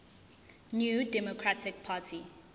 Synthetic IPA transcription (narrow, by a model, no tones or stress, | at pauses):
njuːdɛmokʰɹatɪk̚pʰaːtʰi